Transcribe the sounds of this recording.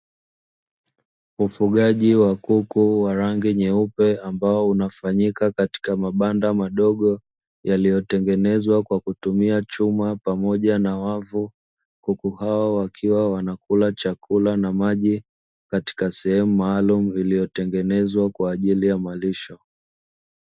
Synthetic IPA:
ufuɠaʄiwakukuwaɾaŋɡiɲɛupɛambaɔunafaɲikakati̥kamaɓandamaɗɔɠɔ | jalijɔtɛŋɡɛnɛzwakwakutumiat͡ʃumapamɔʄanawavu | kukuhaɔwakʰiwawanakulat͡ʃakʰulanamaʄi | kati̥kasɛhɛmumaːlumuilijɔtɛŋɡɛnɛzwakwaːʄilijamaliʃɔ

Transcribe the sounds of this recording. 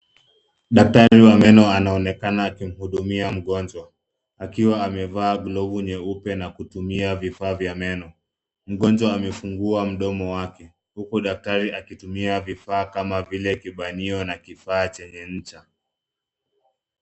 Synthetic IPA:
ɗak̚taɾiwamɛnɔanaɔnɛkanaːkim̩huɗumiam̩ɠɔnd͡ʒwa | akiwaːmɛvaːɡlɔvuɲɛupɛnakutumiavifaːvjamɛnɔ | m̩ɠɔnd͡ʒwaːmɛfuŋɡuam̩ɗɔmɔwakɛ | hukuɗak̚taɾiakitumiavifaːkamavilɛkiɓaniɔnakifaːt͡ʃɛɲɛɲ̩t͡ʃa

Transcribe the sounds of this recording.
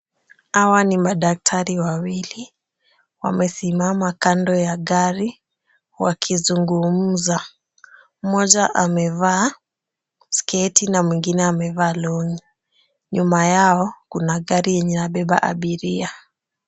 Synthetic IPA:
hawanimaɗak̚tʰaɾiwawili | wa̰mɛsimamakandɔjaɠaɾi | wa̰kʰizuŋɡum̩za | m̩mɔʄaʔamɛva | skɛtinamwiŋɡinɛamɛvaːlɔɲi | ɲumajaɔkunaɠaɾijɛɲɛnaɓɛɓa̰ʔa̰ɓiɾia

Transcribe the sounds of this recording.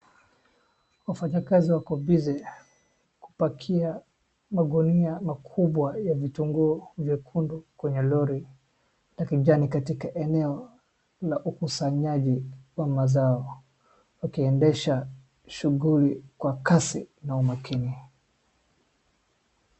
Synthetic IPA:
wafaɲakaziwakɔbizɛ | ku̥pakʰia | maɡuniamakʰuɓwajavituŋɡuɔvjɛkʰundukwɛɲɛlɔɾi | lakiʄanikatikaʔɛnɛɔ | laʔukusaɲaʄiwamazaɔ | wakiɛndɛʃa | ʃuɣulikwakasinaumakini

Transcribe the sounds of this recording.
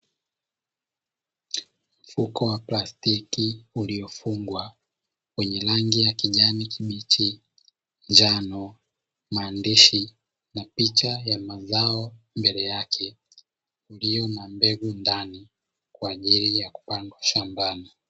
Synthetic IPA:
m̩fukɔwaplastikiuliɔfuŋɡwa | kwɛɲɛlaŋɡijakiʄanikʰiɓit͡ʃi | nd͡ʒanɔ | maːndiʃi | napit͡ʃajamazaɔ | mbɛlɛjakʰɛ | uliɔmambɛɡundani | kwaːʄilijaku̥paŋɡwaʃambana

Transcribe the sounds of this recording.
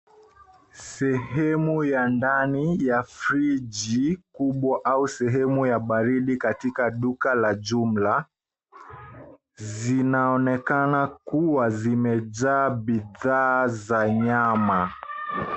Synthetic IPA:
sɛhɛmujandanijafɾid͡ʒikuɓwaʔausɛɦɛmujaɓaɾiɗikatikaɗukalad͡ʒum̩la | zinaɔnɛkanakuwazimɛd͡ʒaːɓiðaːzaɲama

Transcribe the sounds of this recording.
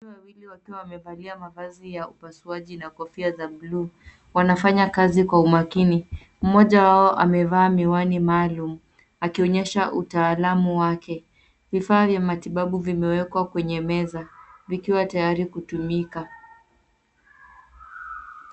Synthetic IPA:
iwawiliwakiwawamɛvaliamavazijaupasuaʄinakɔfiazabluː | wanafaɲakazikwaumakini | m̩mɔʄawaɔʔamɛvaːmiwanimaːlum̩ | akiɔɲɛʃaʔutaːlamuwakɛ | vifaːvjamatiɓaɓuvimɛwɛkwakwɛɲɛmɛzavikiwatajaɾikutumika

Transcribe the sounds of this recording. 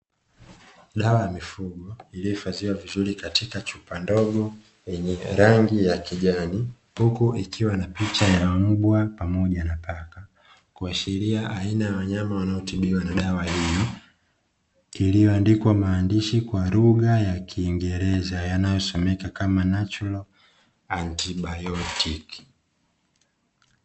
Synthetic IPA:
ɗawajamifuɡɔilijɔfaziwavizuɾikatikat͡ʃupandɔɡɔ | jɛɲɛɾaŋɡijakiʄani | hukuʔikʰiwanapit͡ʃajam̩ɓwapamɔʄanapaka | kuaʃɛɾiaʔainajawaɲamawanaɔtiɓiwanaɗawahijɔ | ilijɔandikwamaːndiʃikwaɾuɡajakʰiːŋɡɛɾɛzajanajɔsɔmɛkakamanat͡ʃɔlɔ | antiɓajɔtiki̥

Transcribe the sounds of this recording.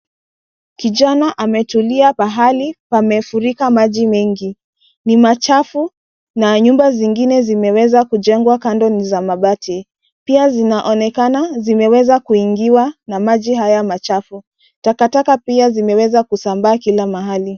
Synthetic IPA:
kiʄanaʔamɛtuliapaɦalipamɛfuɾikamaʄimɛŋɡi | nimat͡ʃafu | naɲumbaziŋɡinɛzimɛwɛzakud͡ʒɛŋɡwakandɔnizamaɓatʰi | piazinaʔɔnɛkanazimɛwɛzakuiŋɡiwanamaʄiɦajamat͡ʃafu | takatakapiazimɛwɛzakusambaːkilamaɦali

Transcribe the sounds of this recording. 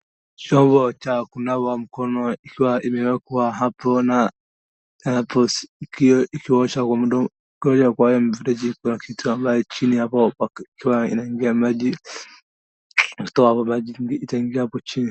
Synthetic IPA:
t͡ʃɔmbɔt͡ʃakunawam̩kɔnɔikiwaʔimɛwɛkwaɦapɔna | anapɔskikiɔʃakwamuɗa | kɔd͡ʒakwajɔm̩viɾɛd͡ʒiknakʰitʰuambajɔt͡ʃinihapɔaikiwaḭnaiŋɡiamaʄi | naku̥tɔahapɔmaʄiɡiːtaiŋɡiahapɔt͡ʃini

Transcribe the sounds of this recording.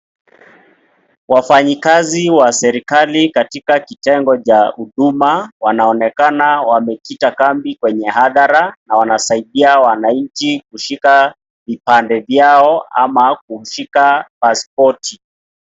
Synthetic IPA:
wafaɲikaziwasɛɾikalikatikakitɛŋɡɔt͡ʃahuɗumawanaɔnɛkanawamɛkitakambikwɛɲɛɦaðaɾanawanasaiɗiawanaɲ̩t͡ʃikuʃika | vipandɛvjaɔa̰mak̚uʃikapaspɔti

